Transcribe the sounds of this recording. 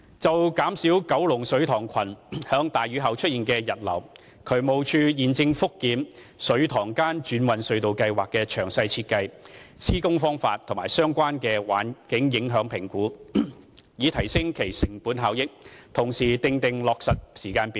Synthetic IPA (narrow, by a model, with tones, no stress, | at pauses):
t͡sɐ˨wkaː˨˥msiː˨˥wkɐ˨˥wlʊ˨˩ŋsɵ˨˥ɥt̪ʰɔː˨˩ŋkʷʰɐ˨˩nhœː˨˥ŋt̪aː˨˩jɥyː˨˧ɦɐ˨wt͡ʃʰɵ˥t̚jiː˨nkɛː˧jɐ˨t̚lɐ̰˨˩w | kʰɵ˨˧ɥmo˨˧wt͡ʃʰyː˧jiː˨nt͡sɪ˧ŋfʊ˥kːiː˨˥m | sɵ˨˧˥ɥt̪ʰɔː˨˩ŋkaː˥nt͡ʃyː˨˥nwɐ˨nsɵ˨˧ɥt̪o˨wkɐ˧jwaː˨kːɛː˧t͡ʃʰœː˨˩ŋsɐ˧jt͡sʰi˧t̚kɐ˧jsiː˥kʊ˥ŋfɔː˥ŋfa̰ː˧t̪ʰʊ˨˩maː˨˩jsœː˥ŋkʷwaː˥nkɛː˧wa̰ː˨˥nkɪ˨˥ŋjɪ˨˥ŋɦœː˨˥ŋpʰɪ˨˩ŋkuː˨˥ | jiː˨˧t̪ʰɐ˨˩jsɪ˥ŋkʰe˨˩jsɪ˨˩ŋpuː˨˥nɦaː˨˥wjɪ˥k̚t̪ʰʊ˨˩ŋsiː˨t̪ɪ˧ŋt̪ɪ˨ŋlɔː˨k̚sɐ˨t̚siː˨˩kaː˧npiː˨˧